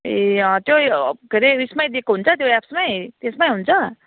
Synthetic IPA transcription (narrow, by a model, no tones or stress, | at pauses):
eãt̪joɡʱəɾeismajd̪ekɦunt͡sat̪joɛpsmajt̪ẽsmajɦunt͡sa